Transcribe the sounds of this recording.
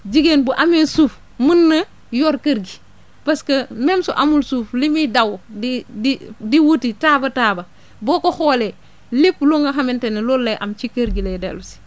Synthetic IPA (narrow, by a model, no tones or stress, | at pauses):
d͡ʒiɡenbuʔaminsuːf | munːɐ | joːɾkəɾɡi | pɐskɐmemsoʔamulsuːflimidawoddidiwutitaːbɐtaːbɐ | bokoxoːle | lipːloŋɡɐɦamintenelolːɐjʔamt͡ʃikəɾɡiledḛlusi̥